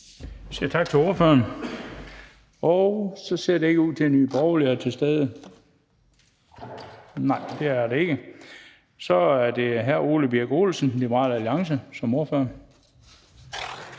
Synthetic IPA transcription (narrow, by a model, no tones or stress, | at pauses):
siɐt͡sʰɑ̈ɡ̥̚t͡sʰe̝o̝ɐføɐn | ɒʊsɒ̽se̝ɐ̰ɾe̝e̝ɡ̥əuð̰ˠt͡sʰe̝nːyːb̥ɒʊliɐt͡sʰe̝lsd̥eːð̞ˠə | nɑ̈ɪ̰d̥e̝æɐɾ̥ee̝ɡ̥ə | sɒ̽æɐd̥e̝ɦæɐ̰o̝ːləb̥iɐɡ̥o̝̰ːlsn̩lib̥əʁɑ̰̈ːlæliɑ̈ŋsəsɒ̽mo̝ɐføɐn